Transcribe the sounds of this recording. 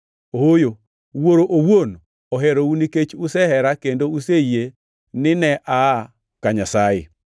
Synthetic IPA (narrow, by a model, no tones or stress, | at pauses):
ohojo | woɾoʔowon | ɔɦɛɾouniket͡ʃusɛhɛɾakendouseje | nɪnɛʔa | kaɲasajḛ